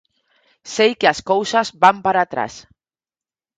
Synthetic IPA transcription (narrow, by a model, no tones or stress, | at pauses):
sejkeaskowsazbampaɾat̪ɾa̰s